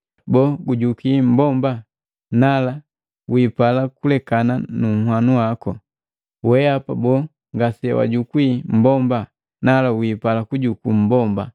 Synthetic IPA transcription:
bɔːɡuɟukim̩bɔmba | nala | wipalakulɛkananuŋ̩hwanuwakɔ | wɛapabɔ | ŋɡasɛ̰wa̰ɟukwim̩bɔmba | nalawipalakuɟukum̩bɔmba

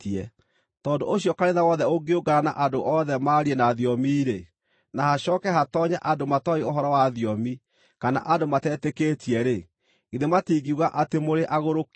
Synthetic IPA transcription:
ɛ | tɔːndooɕiɔkaneðawɔðɛoɡeoɡaɾana̰ʔadoʔɔðɛmaːɾiɛnaðiɔmiːɾe | nahaɕɔːkɛɦatɔɲaʔadomatɔeoɦɔɾɔwaðiɔmi | kana̰ʔadomatɛːteketʰiɛɾe | iðematiːɣiuɣaʔatemoɾeʔaɣoɾok

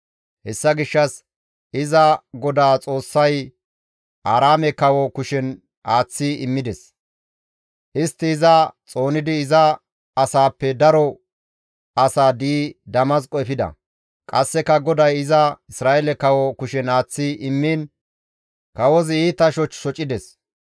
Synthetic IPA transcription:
hɛsːɐɡɪʃːɐs | ɪzɐɡɔd̪aːt͡sʼo̞ːsːɐj | ʔaːɾaːmɛkɐwɔkʊʃɛn | ʔaːt͡sːiɪmːɪd̪ɛs | ʔɪst̪ːɪːzɐt͡sʼo̞ːnɪd̪ɪːzɐ | ɐsaːpːɛd̪ɐɾɔ | ɐsaːd̪iːd̪ɐmɐskʼɔɛfɪd̪ɐ̰ | kʼɐsːɛkɐɡɔd̪ɐjɪzɐɪsɾaːʔɛlɛkɐwɔkʊʃɛnaːt͡sːiʔɪmːiːn | kɐwɔziːt̪ːɐʃɔt͡ʃːʃɔt͡ʃʼːɪd̪ɛs

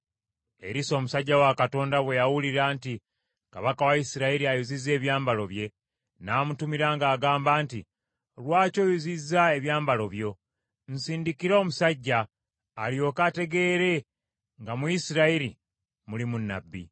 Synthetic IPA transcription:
e̞̰ɾiso̞ːmusaɟːawakato̞ːndaβwe̞jawuliɾaːnti | kaβakawaisiɾaiɾiajuzizːe̞ːβjaːmbalo̞βje̞ | naːmutumiɾaŋɡaːɡaːmbaːnti | lwaːco̞ːjuzizːae̞βjaːmbalo̞βjo̞ | n̩siːndikiɾomusaɟːaː | ljo̞kate̞ɡe̞ːɾe̞ | ŋɡamujisiɾaiɾi | mulimunːa̰bːḭ

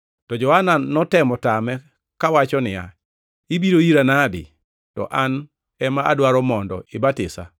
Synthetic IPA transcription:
tɔd͡ʒɔhananɔtɛmɔtamɛ | kawat͡ʃɔnɪja̰ | ibiɾoiɾanadɪ̰ | tɔ̰ʔan | ɛmaa̰dwaɾɔmɔndɔ̰ɪbatɪsa̰

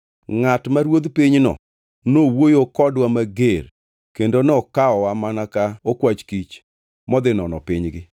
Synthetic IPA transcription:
ŋatmaɾwod̪piɲnɔ̰ | nowojokɔdwamaɡer | kendonɔkaɔwamanakaokwat͡ʃkit͡ʃ | mɔd̪ɪnɔnɔ̰pɪɲɡɪ

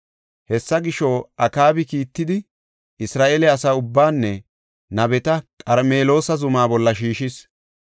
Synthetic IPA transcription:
hɛsːɐɡɪʃoːʔɐkaːbɪkiːt̪ːɪd̪ɪ | ʔɪsɾaːʔeːlɛɐsaːʊbːaːnːɛ | nɐbɛt̪ɐkʼɐɾme̞ːlo̞ːsɐzʊmaːbɔlːɐʃiːʃɪs

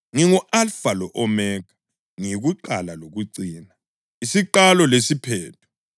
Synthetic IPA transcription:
ŋiŋuʔalfalɔʔɔmɛːkḁ | ŋiɣuǃalaloɣuǀiːna | isiǃalɔlesipʰɛːtʰu̥

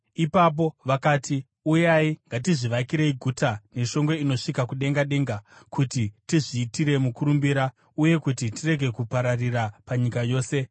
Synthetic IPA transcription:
ipap̬o̞ʋakaːti | ujaiŋɡatiʐiʋakiɾeiɡʱutane̞ʃo̞ŋɡe̞ino̞ʂikakuɗe̞ŋɡaɗe̞ːŋɡakutitiʐiːtiɾe̞mukuɾumbiɾa | uje̞kutitire̞ɡʱe̞kupaɾarirapaɲikajo̞ːse̞

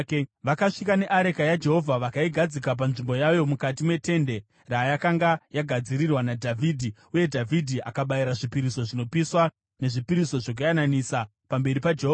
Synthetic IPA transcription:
ʋakaʂikane̞ʔaɾekajad͡ʒe̞ɦo̞vʱaʋakaiɡʱad͡zikap̬anʐimbo̞jajo̞mukat̬imwe̞te̞nde̞ | rajakaŋɡajaɡʱad͡ziɾirwanadʱavʱiːdʱi | uje̞dʱavʱidʱiʔa̰kaɓajiɾaʐipiɾiso̞ʐino̞piswa | ne̞ʐipiɾiso̞ʐok̬ajananisa | pambe̞ɾipad͡ʒeɦoːva

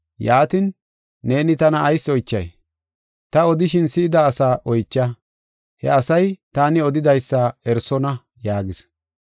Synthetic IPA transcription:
jaːt̪ɪnː | e̞ːnɪt̪ɐnɐːjsːɔjt͡ʃːɐ̰j | t̪ɐɔd̪ɪʃɪnsɪːd̪ɐːsaːʔɔjt͡ʃːɐ | hɛ̰ɐsɐjt̪aːnɪɔd̪ɪd̪ɐjsːɐɛɾsɔnɐ | jaːɡɪs

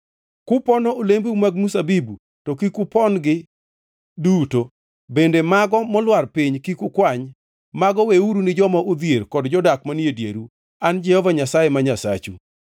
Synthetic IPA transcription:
kʊpɔnɔolembumaɡmusabibu | tɔkikʊpɔnɡɪ | duto | bendemaɡɔmɔlwarpɪɲkikʊkwaɲ | maɡɔweuɾunɪd͡ʒɔmaʔod̪jerkɔdd͡ʒɔdakmanjedjḛɾu | and͡ʒɛhɔvaɲasajemaɲasa̰t͡ʃu

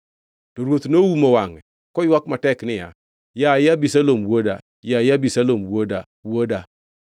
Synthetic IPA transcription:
d̥oɾotnowumowaŋ | kojiwakmatɛknɪja̰ | jajabisalomwoda̰ | jajabisalomwoda | woda

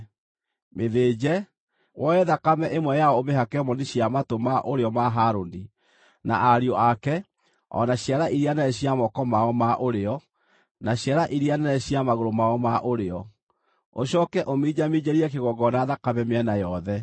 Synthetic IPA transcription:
meðed͡ʑɛ | wʔɔɛðakamɛʔemwɛjaɔomeɦakɛmɔniɕiamatomaʔoɾeɔmaɦaɾondi | na̰ʔaɾiɔakɛ | ɔ̰naɕjaɾaʔiɾianaɛɕiamɔkɔmaɔmaʔoɾeɔ | naɕjaɾaʔiɾianaɛɕiamaɣoɾomaɔmaʔoɾeɔ | oɕɔkɛʔomid͡ʑamid͡ʑeɾiɛkeɣɔɡɔnaːðakamɛmeɛnajɔðɛ

